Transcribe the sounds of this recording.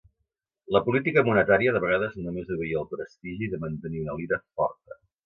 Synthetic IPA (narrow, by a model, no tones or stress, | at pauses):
ləpulit̪ikəmunət̪aɾiəðəβəɣaðəznumezuβəiəːlˠpɾəst̪iʒiðəmənt̪əniunəliðəfɔ̰rt̪ə